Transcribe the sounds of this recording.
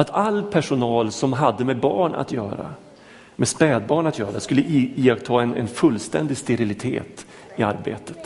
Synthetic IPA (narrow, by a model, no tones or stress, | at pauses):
at̪ʰalːpʰæʂʊnɑːlsɔmɦad̪ːəmɛbɑːɳa̰t̪jœːɾa̰ | mɛspɛːd̪̚bɑːɳat̪jœːɾaskɵlːəʔɪkt̪ʰɑːɛnɛ̰nfɵlːst̪ɛ̰nd̪ɪst̪ɛɾɪlɪt̪ʰḛːt̪ | ɪa̰ɾbḛːt̪ə̥t̪